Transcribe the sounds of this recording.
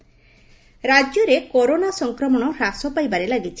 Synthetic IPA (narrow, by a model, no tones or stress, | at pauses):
ɾad͡ʒjɔɾekɔɾonasɔŋkɾɔmɔɽ̃ɔɾasɔpajbaɾelaɡit͡ʃʰi̥